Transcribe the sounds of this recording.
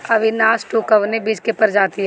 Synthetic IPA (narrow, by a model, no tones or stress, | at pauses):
ɐʋɪnaːsʈuːkəʋnebid͡ʒkepɐɾd͡ʒaːt̪iɦɛ